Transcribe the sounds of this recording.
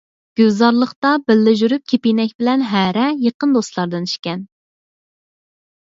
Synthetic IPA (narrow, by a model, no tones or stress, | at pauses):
ɡ̥ʲøzɑɾlˠəχt̪ɑbɪlːɪʒyɾyp̚kʲʰepijnɛkʲbɪlɛnɦæɾɛjəqənd̪ost̪lˠɑɾd̪ɨni̥ʃkʲɛn